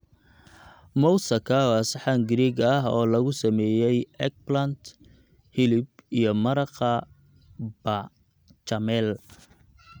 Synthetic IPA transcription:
mɔwsɐkʰɐɑsɑħaŋɡɾiːɡɐɦɔːlɐɣʊsɐmɛːjɛjɛk̚blɐnd̪ | hɪlɪb̚ijɞmɐɾɑqɐ | bɐ | t͡ʃɐmɛl

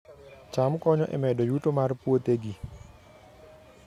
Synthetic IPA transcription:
t͡ʃamukɔɲɔʔḛmɛdɔjut̪ɔmaɾpuot̪eɡi

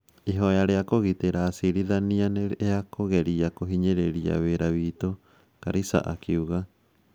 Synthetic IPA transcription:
iɦoeaɾeakoɣit̪eɾasiɾiðanianeeakoɣeɾiakoɦiɲeɾeɾia̰βeɾaβiːt̪o | kaɾisa̰ʔa̰kiuɣa

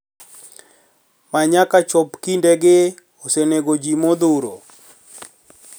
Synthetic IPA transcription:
maɲakat͡ʃɔpkindeɡɪ | oseneɡod͡ʒimod̪uɾo̰

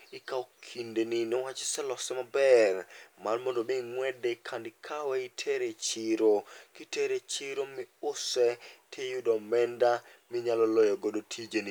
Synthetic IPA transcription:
ɪkaokʰindeninɛwat͡ʃsɛlɔsɛmabɛrmanmɔndobiŋwɛdekʰandɪkʰawɛitʰeɾet͡ʃiɾokiteɾet͡ʃiɾomɪʊsɛtʰejudɔmɛndamɪɲalɔlɔjɔɡodotʰid͡ʒeni

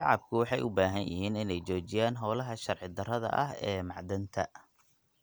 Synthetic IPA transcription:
ʃɑʕɑb̚kʰʊwɑħɑjʔʊbaːɦɐnjɪ̰ɦiːnɪnɛjt͡ʃɔːt͡ʃɪjaːnɦɔːlɐɦɐʃɐrʕɪd̪ɐrɐðɐ̰ʔɐɦɛːmɑʕd̪ɐnt̪ʰɐ̰

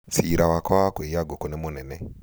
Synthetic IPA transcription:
t͡siɾawakaakeijaɡɔkɔnɛmonɛnɛ

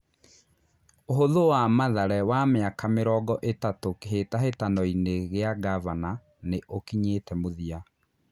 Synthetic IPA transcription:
oɦoðowamaðaɾɛwameakameɾɔɡɔʔetatokeɦetaɦetanɔineɣeaɡavana | neʔokiɲetɛmoðia

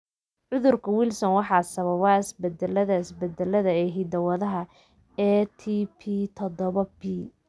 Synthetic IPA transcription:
ʕʊðʊrkʰɐwilsɔnwɑħɑːsɐβɐβɐɪsbɛd̪ɛlːɐðɐɪsbɛd̪ɛlɐðɐɛɦɪd̪ɐwɐðɐɦɐ | ɛt̪ʰipʰit̪ʰɔd̪ɔβɐbi

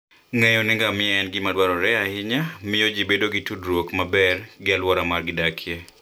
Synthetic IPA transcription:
ŋɛjɔnɪŋɡamɪjaɛnɡɪmadwaɾɔɾɛahɪɲamɪjod͡ʒibedoɡɪtudɾwokmabɛrɡɪalwɔɾamarɡɪdakʰje

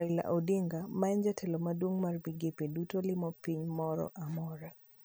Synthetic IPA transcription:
ɪla̰ʔodeŋɡamaɛnd͡ʒatʰɛlɔmadwoŋmarbiɡepedutolɪmɔpiɲmɔɾɔ̰ʔamɔɾa

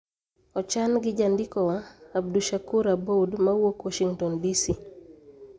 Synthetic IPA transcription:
ɔt͡ʃanɡɪd͡ʒandikɔwaab̚duʃakuɾabodmawokwaʃiŋtɔndisi

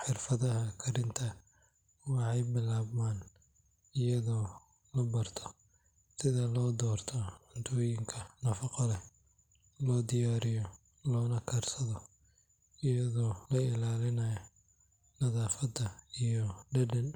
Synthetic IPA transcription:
ħɪrfɐðɐɦɐkʰɐɾɪnt̪ʰɐ | wɑħɑjbɪlaːβmaːn | ɪjɐðɔː | lɐbɐrt̪ʰɔ̥ | sɪðɐlɔːd̪ɔːrt̪ʰɔʕʊnt̪ʰɔːjɪŋkʰɐnɐfɑqɔlɛ | lɔːd̪ɪjaːɾɪjɔ | lɔːnɐkʰɐrsɐðɔ | ɪjɐðɔːlɐɪlaːlɪnɐjɔ | nɐðaːfɐd̪ɐijɔɖɐɖɐn

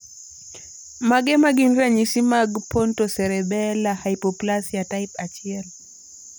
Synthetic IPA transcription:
maɡɛmaɡinɾaɲisimaɡpɔntɔsɛɾɛbɛlahaipɔplasjataipat͡ʃiɛl

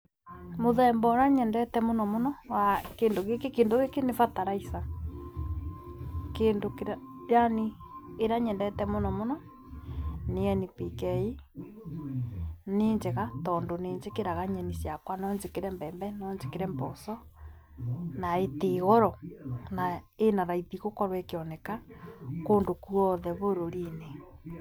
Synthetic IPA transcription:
moðɛmbɔɾaɲɛndɛtɛmonɔmonɔwakeːndoɣekekeːndoɣekenefataɾaisa | keːndokeɾajaniː | ɾaɲɛndɛtɛmonɔmonɔ | neɛnipikɛi | neːɲd͡ʒeɣatɔndoneːɲd͡ʒekeɾaɣaɲɛnisjakwanɔɲd͡ʒekeɾɛmbɛːmbɛnɔɲd͡ʒekeɾɛmbɔsɔ | naeteɣɔɾɔnaenaɾaiðiɣokɔɾwɛkeɔnɛkakondokuɔðɛβoɾoɾine

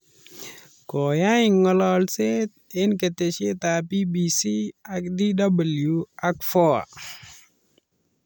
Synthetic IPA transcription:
kɔjaɪŋŋːɔlɔlset | ɪnkətet͡ʃet̪apibisiak̚didabəljuakfɔa̰

